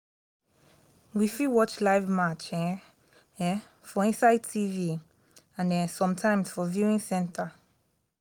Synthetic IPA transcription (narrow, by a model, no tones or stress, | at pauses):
wifiwɔt͡ʃlaɪvmat͡ʃɛ̃ | ɛ | fɔĩnsaɪtʰivi | ãnɛsɔ̃mtʰãɪ̃mz̥fɔvjuɪ̃ŋsɛ̃ntʰə